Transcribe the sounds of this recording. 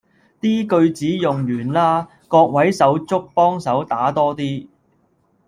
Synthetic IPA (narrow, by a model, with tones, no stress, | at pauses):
t̪iː˥kɵ˧ɥt͡siː˨˥jʊ˨ŋjyː˨˩nlaː˥ | kɔː˧k̚wɐ˨˥jsɐ˨˥wt͡sʊ˥k̚pɔː˥ŋsɐ˨˥wt̪aː˨˥t̪ɔː˥t̪iː˥